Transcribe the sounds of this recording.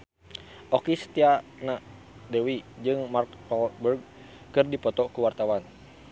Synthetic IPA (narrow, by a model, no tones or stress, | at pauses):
ʔɔkisə̥t̪iana | dɛwid͡ʒɨŋmarkɔlbərɡ̚ | kɨrdipɔt̪ɔkuwart̪awan